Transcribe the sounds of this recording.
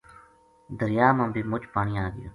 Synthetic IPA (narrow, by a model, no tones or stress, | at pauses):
d̪əɾɪjaːmãːbiːmʊt͡ʃpaːɳ̃iːaːɡɪjo̰ː